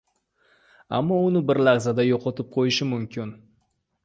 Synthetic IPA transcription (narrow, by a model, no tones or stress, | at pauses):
a̰mːɒʊnɪbɪɾlaʁzad̪ajoqʰɒt̪ʰɪp̚qʰojɪʃɪmʊmkʲʰɪn